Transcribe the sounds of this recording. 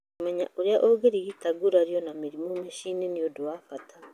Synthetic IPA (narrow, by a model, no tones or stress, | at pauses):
mɛɲa̰ʔuɾeaʔoɡeɾiɣitaɡuɾaɾjɔnamiɾimomeʃineniodwafata